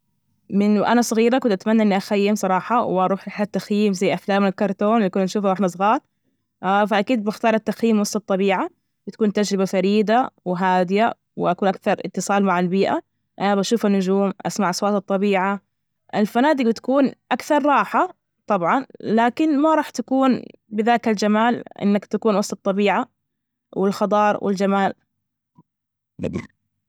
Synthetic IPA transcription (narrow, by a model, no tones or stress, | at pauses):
mɪnʔanasˤɑɣiːɾakʊnt̪ʔat̪manːaɪnːiʔaxajːɪmsˤɑɾˤɑːħɑwɪʔɑɾˤuːħɾɪħat̪ːaxjiːmzajːʔaflaːmɪnalkɑɾˤt̪oːnwɪʔakuːnʔaʃuːfɾˤaħnasˤɣɑːɾˤ | faʔakiːd̪̚bɪxt̪ɑːɾˤɑt̪ːaxjiːmwɑsˤːɑt̪ˤːɑbiːʕa | bɪt̪ḁkuːnt̪ad͡ʒɾɪbafaɾiːd̪awɪɦaːd̪ɪja | wɪ̰ʔakuːnʔakθɑɾˤʔɪ̰t̪ːɨsˤɑːlmaʕalbiːʔa̰ | ʔanabaʃuːfanːʊd͡ʒuːmʔa̰smaʕʔɑsˤwɑːt̪ɨt̪ˤːɑbiːʕa | ʔɪlfanaːd̪ɪɡ̚bɪt̪ḁkuːnʔakθɑɾˤːɑːħa | t̪ˤɑbʕɑnlaːkɪnmaɾˤɑːħt̪akuːnbɪðaːkald͡ʒamaːlʔɪ̰nːakt̪akuːnwɑsˤt̪ɑt̪ˤːɑbiːʕa | wɪlxɑd̪ˤɑːɾˤwʔɪ̰ld͡ʒamaːl